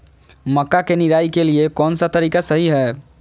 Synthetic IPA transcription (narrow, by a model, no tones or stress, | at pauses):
məkːakeniɾaikeliekɔːnsat̪əɾikasəɦiɦɛː